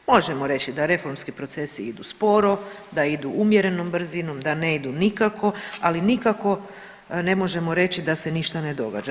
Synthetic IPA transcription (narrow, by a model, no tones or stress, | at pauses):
mo̞ʒe̞mo̞ɾe̞t͡ɕid̪aɾe̞fo̞ɾmskipɾo̞t̪se̞siid̪uspo̞ɾo̞d̪aid̪uʔumje̞ɾe̞no̞mbr̩zino̞md̪aneid̪unikako̞alinikako̞ | ne̞mo̞ʒe̞mo̞ɾe̞t͡ɕid̪ase̞niʃt̪ane̞d̪o̞ɡa̰d͡ʒa